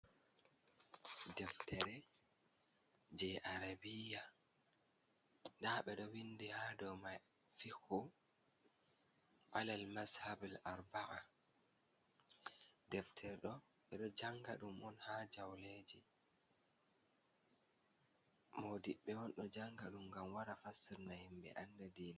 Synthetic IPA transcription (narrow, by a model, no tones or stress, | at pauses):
dɛftʰɛɾɛ | d͡ʒɛʔaɾabija | ndaːɓɛɗɔwindihadɔmaj | fixu | ʔalalmashabalaɾbaʔa | dɛftʰɛɾɗɔ | ɓɛɗɔd͡ʒaŋɡaɗumʔɔnhaːd͡ʒawleːd͡ʒi | moːdiɓːɛwɔnɗɔd͡ʒaŋɡaɗumɡamwaɾafasiɾnahimɓɛ̰ʔandadiːna